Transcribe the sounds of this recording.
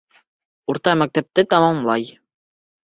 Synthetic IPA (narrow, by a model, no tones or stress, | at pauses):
uɾt̪ɑmæk̚t̪æp̚t̪ɘt̪ɑmɑmlˠɑj